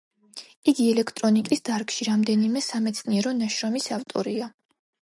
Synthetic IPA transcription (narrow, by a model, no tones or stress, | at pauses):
iɡiɛlɛkʰt̪ʼɾɔnikʼisd̪̥aɾkʼʃiɾamd̪ɛnimɛsamɛt̪sʰniɛɾɔnaʃɾɔmisaft̪ʼɔɾia